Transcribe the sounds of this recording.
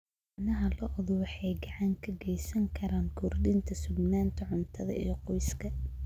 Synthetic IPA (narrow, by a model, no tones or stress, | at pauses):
ʕnɐɦɐlɔʔðɔwɑħɑjɡɑʕaŋkʰɐɡɛjsɐŋkʰɐɾaːŋkʰʊrdɪnt̪ʰɐsʊbnaːnt̪ʰɐʕʊnt̪ʰɐðɐ̰ʔḭjɔqɔjskʰɐ